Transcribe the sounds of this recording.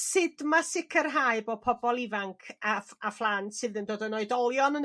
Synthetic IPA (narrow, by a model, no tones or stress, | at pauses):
sɪdmasɪkʰərɦajɨbɔpʰɔbɔlˠɪvaŋkʰaaflˠantsɨðəndoːdənoɨdɔlˠjɔnən